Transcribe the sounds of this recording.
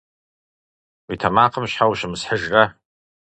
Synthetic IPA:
witʰamaqʰəmʃħawʃɨmsħəʒra

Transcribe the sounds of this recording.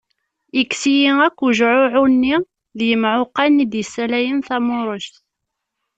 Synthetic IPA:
əksijiækʷːuʒʕʊʕunːi | ðjəmʕʊqːɑnːid̪jəsːælæjənθæmʊɾˤəʃt̪

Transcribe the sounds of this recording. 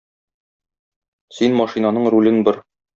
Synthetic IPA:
sinmɒʃinanɤɴɾulɘnbɘɾ

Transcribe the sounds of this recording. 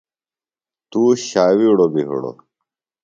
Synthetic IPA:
t̪uːɕaːwiuɽoːbiɦṵɽo̰ː

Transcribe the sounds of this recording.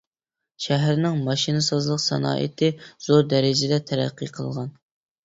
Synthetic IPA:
ʃæɦæɾnɪŋmɑʃinɨsɑzlˠəqsɑ̰nɑ̰ːʔḭt̪ʰɪz̥oɾd̪ɛɾɪd͡ʒɪd̪ɛt̪ʰæɾæ̰qʰːḭqʰə̰lˠʁɑn

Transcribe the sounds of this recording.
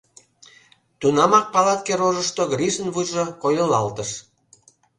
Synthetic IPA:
t̪unɑmɑk̚pɑlɑt̪̚keɾoʒəʃt̪oɡrʲiʒənβujʒŏkojə̆lɑlt̪əʃ

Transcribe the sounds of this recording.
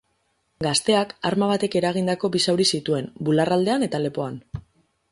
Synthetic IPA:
ɡast̪e̞akaɾmaβ̞at̪e̞ke̞ɾaɣ̞ind̪ako̞bisawɾisit̪ue̞mbularald̪e̞ane̞t̪ale̞po̞an

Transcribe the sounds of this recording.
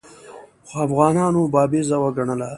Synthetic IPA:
xoafɣɑːnɑːnobɑːbezawaɡaɳəla

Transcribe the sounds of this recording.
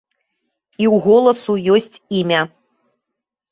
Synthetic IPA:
iwɣɔlˠɐsujɔsʲt͡sʲimʲɐ

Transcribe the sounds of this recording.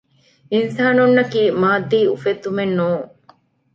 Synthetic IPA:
insaːnunːɐkiːmaːd̪ːiːufet̪ːumenːuːŋ

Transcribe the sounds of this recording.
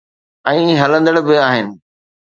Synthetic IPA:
ɛ̃ːĩɦɐlə̃nd̪əɽbɪaːɦɪnɪ̆

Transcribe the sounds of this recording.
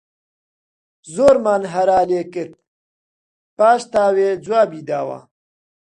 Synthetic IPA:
zoːɾmaːnɦɐɾaːleːkəɾt̪̚ | paːɕt̪aːweːd͡zwaːbiːd̪aːwa̰ː

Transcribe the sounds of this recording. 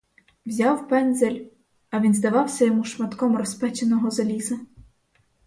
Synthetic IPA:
wzʲɑwpɛnd̪zelʲ | ɐʋʲinzd̪ɐʋɑwsʲɐjɔmuʃmɐt̪kɔmrɔspɛt͡ʃenɔɦɔzɐlʲizɐ

